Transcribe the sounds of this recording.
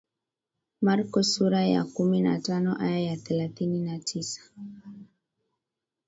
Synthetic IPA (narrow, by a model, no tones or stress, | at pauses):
maɾkɔsuɾaja̰kumina̰tanɔʔajajaθɛlaθininatʰisḁ